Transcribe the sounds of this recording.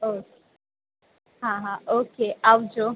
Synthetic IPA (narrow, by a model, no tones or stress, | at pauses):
o | ɦãɦãʔokeawd͡ʒo